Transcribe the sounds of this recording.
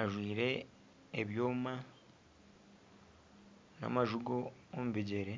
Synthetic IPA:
aʒwiːɾe̞ː | βjoːma | na̰maʒuɡoːmuβiɟe̞ɾe̞

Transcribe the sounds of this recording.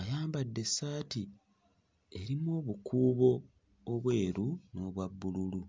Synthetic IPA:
ajaːmbadːe̞saːti | e̞ɾimoːβukʰuːβo̞ː | βwe̞ːɾuno̞ːβwabːululu

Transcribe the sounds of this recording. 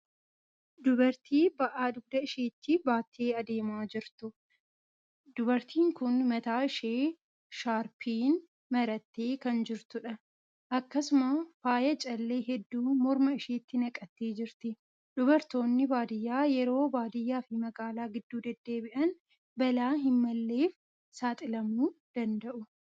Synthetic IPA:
d̪ʊbɐɾt̪ʰiːbɐʔaːd̪ʊɡ̚d̪ɐɪʃeːt̪ːɪbaːt̪ʰːeːɐd̪e̞ːmaːd͡ʒɪɾt̪ʊ | d̪̥ʊbɐɾt̪ʰiːŋkʊnmɐt̪aːɪʃeː | ʃaːɾpʰiːn | mɐɾɐt̪ːeːkɐnd͡ʒɪɾt̪ʊᶑɐ | ʔɐkːɐsʊmɐfaːjɐt͡ʃʼɐlːe̞ːɦɛd̪ːuːmɔɾmɐɪʃeːt̪ːɪnɐkʼːɐt̪ːeːd͡ʒɪɾt̪ɪ | ᶑʊbɐɾt̪o̞ːnːɪbaːd̪ɪjːaːjɛɾo̞ːbaːd̪ɪjːaːfɪmɐɡaːlaːɡɪd̪ːuːd̪ɛd̪ːe̞ːbɪʔɐn | bɐlaːɦɪmːɐlːeːf | saːt̪ʼɪlɐmuːd̪̥ɐnd̪ɐʔʊ

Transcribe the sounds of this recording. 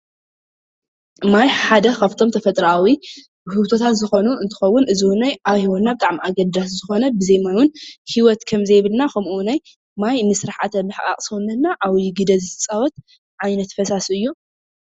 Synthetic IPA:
majħad̪ɐkʰaft̪ʰo̞mt̪ʰɐfɐt̪ʼɾawi | hɨβt̪ʰo̞t̪ʰat̪zɨxo̞nuɨnt̪ʰɨ̥xɐwːʊnʔɨziwnajʔaβhiwot̪nabɨt̪ʼaʕmiaɡɐd̪ːaszɨxo̞nɐbɨzɐjmanwʊnhiwɔt̪kʰɐmzɐjβɨlnakʰɐmʔunaj | majnɨsɨɾaħa̰t̪ʰɐlɨħkʼa̰kʼsɐwnːɐt̪naʔawɡɨd̪ɐzɨt̪ʰɨt͡sʼawɔt̪ | ʕajnɐt̪fɐsasɨjːu

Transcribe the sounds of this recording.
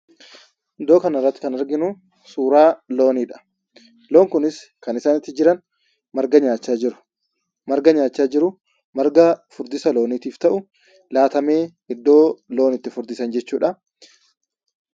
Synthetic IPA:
ɪd̪ːo̞ːkɐnɐrːɐt̪ːɪ̥kɐnɐɾɡɪnu | suːɾaːlo̞ːniːᶑɐ̥ | lo̞ːŋkʊnɪskɐnɪsaːnɪt̪ːɪd͡ʒɪɾɐn | mɐɾɡɐɲaːt͡ʃːaːd͡ʒɪɾʊ̥ | mɐɾɡɐɲaːt͡ʃːaːd͡ʒɪɾʊ | mɐɾɡɐfʊɾd̪ɪsɐlo̞ːniːt̪iːft̪ɐʔʊ | laːt̪ɐme̞ː | ɪd̪ːo̞ːlo̞ːnɪt̪ːɪfʊɾd̪ɪsɐnd͡ʒɛt͡ʃːuːᶑɐ

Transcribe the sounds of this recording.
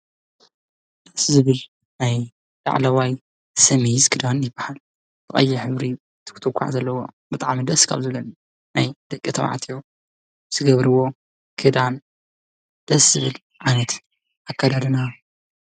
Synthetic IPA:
d̪̥ɐszɨβɨl | naj | la̰ʕlɐwaj | sɐmizkʰɨd̪anjɪbːahal | t̪ɨχʼɐ̰jːɛħɨβɾi | t̪ʰɨ̥kʰɨ̥t̪ʰukʰʷːa̰ʕzɐlːɐwo̞̰ | bɨt̪ʼaʕmid̪ɐskʰa̰βzɨβlɐn | najd̪̥ɐkʼːit̪ʰɐwa̰ʕt̪ʰijo | z̥ɨɡɐβɾɨwo̞ | kʰɨd̪an | d̪̥ɐszɨβɨl | ʕajnɐt̪ | ʔakʰːad̪ad̪ɨna

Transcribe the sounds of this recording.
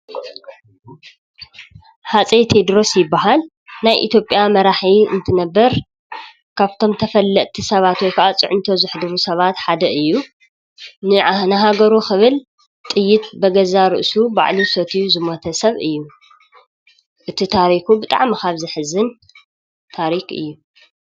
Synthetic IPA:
hat͡sʼet̪ʰed̪ɾo̞sjɪbːaɦal | najʔḭt̪ʰjo̞pʼjamɐɾaħiɨ̰nt̪ʰɨnɐbːɐɾ | kʰaβt̪ʰo̞mt̪ʰɐfɐlːɐʔ̪t̪ʰisɐβat̪wɔjkʰɐʔat͡sʼɨ̰ʕʊnt̪ʰo̞zɨħɨd̪ɨɾusɐβat̪ħad̪ɐʔɨjːu | nɨnɨɦaɡɐɾuxɨβɨl | t̪ʼɨjːɪt̪̚bɐɡɐzaɾɨ̰ʔsuba̰ʕlusot̪ʰijzɨmot̪ʰɐsɐβɨjːu | ʔɨt̪ʰit̪ʰaɾikubɨt̪ʼa̰ʕmikʰaβzɨħɨzɨn | t̪ʰaɾikɨ̰jːu

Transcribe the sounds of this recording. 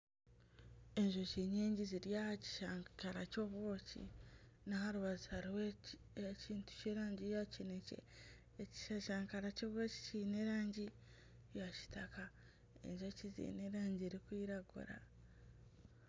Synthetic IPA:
e̞ɲʒoceɲeːɲɟiziɾjahaci̥ʃaːŋkaɾacoːβwoːcḭnahaɾuβazihaɾiwe | ciːntu̥ceːɾaːɲɟijacinecḛ | eci̥ʃaʃaːŋkaɾacoːββo̞ci̥ciːneɾaːɲɟi | jaci̥taka | e̞̰ɲʒocizḭːne̞ɾaːɲɟieɾikwiːɾaɡṵɾa̰

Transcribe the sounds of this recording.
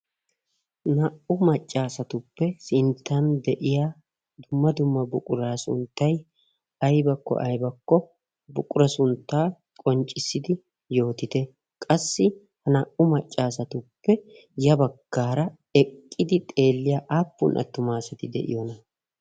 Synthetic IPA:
nɐʔʊmɐt͡ʃʼːaːsɐt̪ʊpːɛsɪnt̪ːɐnd̪ɛʔɪjaː | d̪ʊmːɐd̪ʊmːɐbʊkʼʊɾaːsʊ̰nt̪ːɐj | ɐjbɐkːɔ̰ʔɐjbɐkːɔ | bʊkʼʊɾɐsʊnt̪ːaː | kʼɔnt͡ʃʼːɪsːɪd̪ɪ | jo̞ːt̪ɪt̪ɛ | kʼɐsːɪ | hɐnɐʔʊmɐt͡ʃʼːaːsɐt̪ʊpːɛ | jɐbɐɡːaːɾɐ | ɛkʼːɪd̪ɪt̪ʼe̞ːlːɪjaːʔaːpːʊnʔɐ̰t̪ːʊmaːsɐt̪ɪd̪ɛ̰ʔɪ̰jonɐ

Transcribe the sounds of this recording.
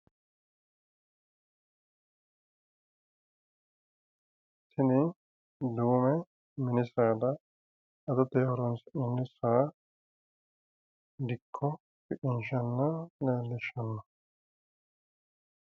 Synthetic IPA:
sɪnɪ | d̪uːmɛ | mɪnɪsaːd̪ɐ | ɐd̪ɐt̪eːhɔɾɔnsnɪnːɪsaː | d̪ɪkʰːɔ | pɪkɪnʃɐnːɐleːlːɪʃːɐnːɐ

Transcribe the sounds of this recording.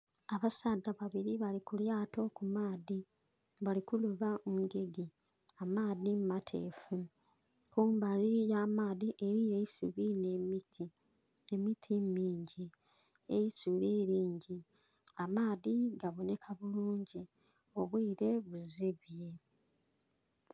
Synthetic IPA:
aβasadːaβaβiɾiβalikuljaːto̞kumaːði | βalikuluβaʔoŋɡe̞ɡi | amaːðimumatʰḛːfu | kuːmbaliijaːmaːðiʔe̞ɾijejisṵβinemitʰi | emitʰimiːɲɟi | ejisuɾeːɾiːɲɟi | amaːðiɡaβo̞ne̞kʰaβuluːɲɟi | o̞βwiːɾe̞βuziβje̞

